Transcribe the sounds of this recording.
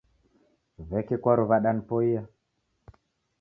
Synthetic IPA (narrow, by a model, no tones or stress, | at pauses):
vɛkikwaɾuβaɗanipɔija